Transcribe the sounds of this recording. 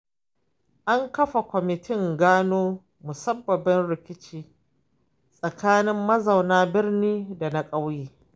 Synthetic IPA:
ʔa˦ŋkɐ˦ɸa˨kʷɔ˨mɪ˨tʰɪ˦˨ŋɡaː˦noː˦ | mʊ˨sɐ˦bːɐ˨bɪ˦nɽɪ˨kʲɪ˦t͡ʃiː˦ | sʼɐ˨kaː˦nɪ˦mːɐ˦za˨wnaː˦bɪ˦rniː˦da˨na˦kʼa˦wjeː˦

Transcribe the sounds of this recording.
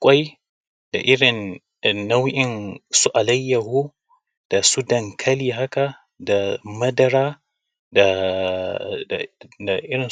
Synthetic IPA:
kʷʼa˦j | d̥a˨ʔɪ˦ɽɪ˨nː | a˦wʔɪ˨nsu˦ʔa˨lɐ˦jːɐ˨hu˦ | d̥a˨su˦dɐ˨ŋkʰɐ˦liː˨ɦa˦ka˨ | da˨mɐ˦dɐ˦ɾaː˦ | a˨ | a˨ʔɪ˦ɾɪ˨

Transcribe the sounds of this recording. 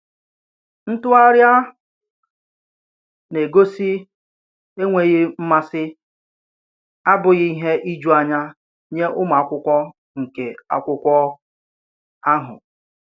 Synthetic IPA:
n̩˦tʊ˦a˦ɾja˦ | ne˨ɡo˦si˦ | e˦ŋʷe˨ɣɪ˦m̩˦ma˦sɪ˦ | a˦bʊ˨ɣɪ˦i˦ɦe˦ʔi˦d͡ʒu˦a˨ɲa˦ | ɲe˦ʔʊ˦ma˨a˨kʷʊ˦kʷɔ˦ | ŋ̩˨ke˨a̰˨kʷʊ˦kʷɔ˦ | a˦ɦʊ̰˨

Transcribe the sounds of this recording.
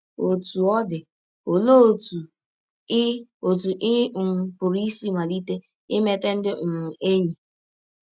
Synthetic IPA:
o˨tu˨ɔ˦dɪ˨ | o˨lo˦o˨tu˨ | ɪ˦o˨tu˨ʔɪ˦˨ŋ̩˨pʊ˨ɾi˦si˦ma˨li˦te˦ | ɪ˦me˦te˦n̩˦dɪ˦˨ŋ̩˨ʔe˦ɲi˨

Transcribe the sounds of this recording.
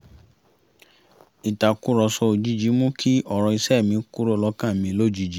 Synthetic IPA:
i˨ta˨ku˦ɾɔ˧sɔ˧o˨d͡ʒi˨˦d͡ʒi˨˦mũ˦kʰi˦ɔ˦˨ɾ̃ɔ̃˧i˧sɛ˦˨mĩ˧ku˦ɾo˦˨lɔ˧˦kã˦˨mĩ˧˦lo˦˨d͡ʒi˦d͡ʒi˨˦

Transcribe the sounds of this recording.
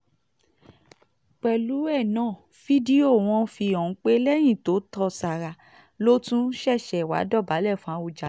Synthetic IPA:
k͡pɛ˨lu˨˦ɛ˦˨nãː˨˦˨ | fi˦di˦o˦˨w̃ɔ̃˧˦fi˧ɔ̃˨˦k͡pe˦lɛ˦j̃ĩ˦˨to˨˦tɔ˧sa˨ɾa˨ | lo˦tũ˦ʃɛ˦˨ʃɛ˨wa̰˨˦dɔ˦˨ba˨˦lɛ˦˨fã˧u˧˨d͡ʒa˨

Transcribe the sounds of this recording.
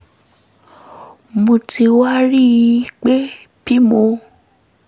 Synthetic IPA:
mõ˧ti˧wa˦ɾi˦ji˧k͡pe˦ | bi˦mo˧

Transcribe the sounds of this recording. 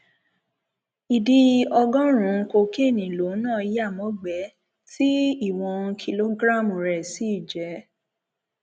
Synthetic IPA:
i˨di˧ɔ˧ɡɔ̃˦ɾ̃ũ˨˦˧ko˧ke˦˨nĩ˨lo˨˦nãː˦˨i˦ja˦˨mɔ̃˨˦ɡ͡bɛ˨˦ | ti˦i˦˨w̃ɔ̃˧kʰi˧lo˦ɡɾa˦˨m˨ɾɛ˨si˨˦i˦˨d͡ʒɛ˨˦

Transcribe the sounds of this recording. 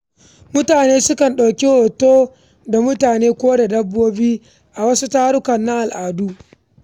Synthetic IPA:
mʊ˦taː˨neː˦sʊ˦kɐ˨nɗa˨wkʲi˦hoː˨toː˦ | da˨mʊ˦taː˨neː˦kʷoː˦da˨dɐ˦bːoː˦biː˦ | ʔa˨wɐ˦su˦taː˦ɽʊ˦kɐ˨nːa˦ʔa˨lʔaː˨du˦ʔ

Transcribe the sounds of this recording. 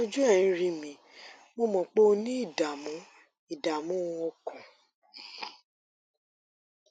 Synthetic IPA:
d͡ʒu˦ɛ˦˨ĩ˨˦ɾĩ˧mĩ˨ | mo˧mɔ̃˨k͡po˦o˧nĩ˦i˦˨da˨mũ˨˦ | i˦˨da˨mũ˨˦˧o˧kũ˨

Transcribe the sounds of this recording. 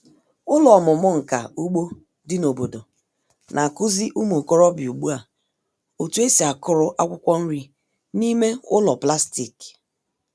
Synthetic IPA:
ʊ˦lɔ˨mʊ˨mʊ˦ŋ̩˨ka̰˨u˦ɡ͡bo˦ | dɪ˦no˨bo˨do˨ | nʔa˨kʊ˦zi˦ʔu˦m˨o˨kɔ˦ɾɔ˦bi˨u˨ɡ͡bu˦a˨ | o˨tu˦e˦si˨a˨kʊ˦ɾʊ˦ʔa˦kʷʊ˦kʷɔ˦n̩˦ɾi˦ | ni˦me˦ʊ˦lɔ˨pla˦sti˨k

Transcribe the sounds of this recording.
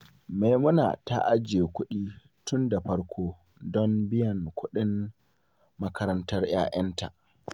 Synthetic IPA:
me˨jmʊ˦na̰ː˨ta̰˦ʔa˦d͡ʒe˨kʷʊ˦ɗiː˦ | tʊ˦nda˨ɸɐ˦ɾkʰoː˦ | dɔ˦mbɪ˦jɐ˨nkʷʊ˦ɗɪ˦n | mɐ˦kʰɐ˦ɾɐ˦ntɐ˦rj̰a̰ː˦ʔɐ˦nta̰˨

